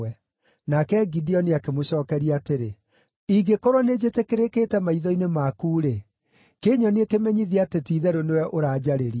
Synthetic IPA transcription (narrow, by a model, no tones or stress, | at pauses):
ɛ | nakɛɡidiɔniakemoɕɔːkɛɾiaːteɾe | iɡekɔɾwɔned͡ʑetekeɾekeːtɛmaiðɔinemakuːɾe | keːɲɔnekemɛɲiðiatetiðɛɾonewɛʔoɾaːd͡ʑaɾeɾi